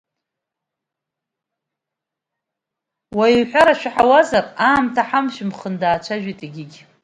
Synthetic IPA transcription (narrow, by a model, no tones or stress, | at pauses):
waiħʷᶣaɾaʃᶣaħawazaraːmtʰaħamʃɪmχəndaːt͡ʃʷʰaʒᶣitʼiɡʲɪɡʲ